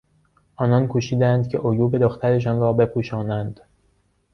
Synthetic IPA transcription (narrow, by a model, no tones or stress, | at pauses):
ʔɒːnɒːnkʰoʃiːd̪æænd̪cʰe̞̰ʔojuːbe̞d̪oxt̪ʰæɾe̞ʃ̬ɒːnrɒːbe̞pʰuːʃɒːnænd̪̥